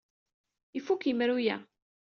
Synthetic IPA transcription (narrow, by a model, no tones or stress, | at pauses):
ifukjəmɾujæ